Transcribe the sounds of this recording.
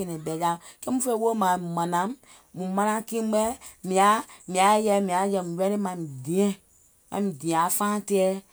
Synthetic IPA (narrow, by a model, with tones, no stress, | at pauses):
e˧nɛ̃˨bɛ˨ja˨˦kɛ˦mũ˦fe˦wo˦mã˨mã˨nã˨˦m | mũ˨mã˧nã˧˦kĩ˦ɛ˦mĩ˨a˨˦mĩ˨a˨˦jɛ˧mĩ˨a˨˦jɛ˧˨mũ˨jɛ˦ɾe˦mã˨mĩ˨dĩ˨ɛ̃˦ | mã̰˨mĩ˨dĩ˨ɛ̃˨a˨fãː˦tɛ˦ɛ˦